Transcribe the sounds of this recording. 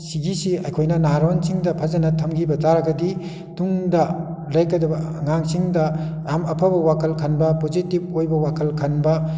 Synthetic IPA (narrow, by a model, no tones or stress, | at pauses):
siɡisiɐjkʰojnɐnaɦaɾonsiŋdɐpʰɐzɐnɐtʰɐmɡibɐd͡ʒaɾɐɡɐdi | tuŋdɐ | lɐjkɐdɐbɐŋaŋsiŋdɐjamɐpʰɐbɐwakʰɐlkʰɐnbɐpozitib̚ojbɐwakʰɐlkʰɐnbɐ